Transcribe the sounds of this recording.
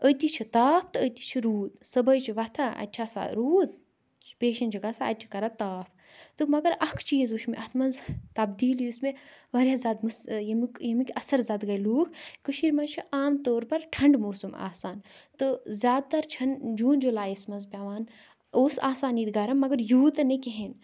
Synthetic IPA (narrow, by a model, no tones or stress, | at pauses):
ət̪it͡ʃʰit̪aːpʰt̪ɨət̪i̥t͡ʃʰiɾuːd̪sɐbəjt͡ʃʰiʋɐt̪ʰaːɐ̰tʲːt͡ʃʰaːsa̰ɾuːt̪̚ | peːʃɐnt͡ʃʰiɡasaɐt̚t͡ʃʰi̥kɐɾat̪aːpʰ | t̪ɨmɐɡɐɾɐkʰt͡ʃiːzuʃʰmeʔɐt̪ʰmɐnzt̪ɐbd̪iːljusmeʋɐɾʲjaːzʲaːd̪musjɐmikjɐmikʲɐsɐɾzaːd̪ɡɐjluːkʰkəʃiːɾmɐt͡ʃʰiʔaːmt̪oːɾpɐɾʈʰɐɳɖmoːsuma̰ːsaːnt̪ɨzʲjaːd̪̚t̪ɐɾt͡ʃʰɐnd͡ʒuːnd͡ʒolaːjismɐnzpʲaːʋaːn | oːsaːsaːniːt̪ɡɐɾɐmːɐɡɐɾjuːt̪ɐnekeɦen